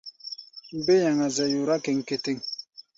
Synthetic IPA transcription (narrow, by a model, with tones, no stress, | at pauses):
m̩˨˦be˦ja˨ŋa˨zɛ˨ju˨ɾa˦ke˨ŋ̩˨ke˨te˦˨ŋ